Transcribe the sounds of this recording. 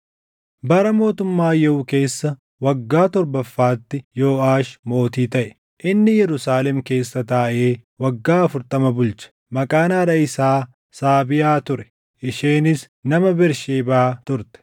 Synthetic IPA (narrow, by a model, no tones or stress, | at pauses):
bɐɾɐmo̞ːt̪ʊmːaːjɛʊke̞ːsːɐ | wɐɡːaːt̪ɔɾbɐfːaːt̪ːɪjo̞ːaːʃmo̞ːt̪iːt̪ɐʔɛ̥ | ʔɪnːɪjɛɾʊsaːlɛmke̞ːsːɐt̪aːʔe̞ːwɐɡːaːɐfʊɾt̪ɐmɐbʊlt͡ʃɐ̥ | mɐkʼaːnaːɾɐɪsaː | saːbɪjaːt̪ʊɾɛ̥ | ʔɪʃeːnɪs | nɐmɐbɪɾʃeːbaːt̪ʊɾt̪ɛ̥